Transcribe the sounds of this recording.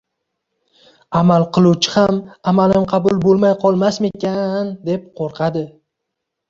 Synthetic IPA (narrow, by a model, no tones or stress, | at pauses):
amalˠqʰɨlˠuwt͡ʃʰɪhamamalɪmqʰɑbʊlˠbolˠmajqʰɒlˠmasme̞kʲand̪e̞p̚qʰoɾqʰɑd̪ɪ